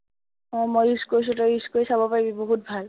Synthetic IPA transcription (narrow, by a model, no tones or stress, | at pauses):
ɔmojiskojs̬ʊtɔiskoisabɔpaɹibiboɦut̚bʱal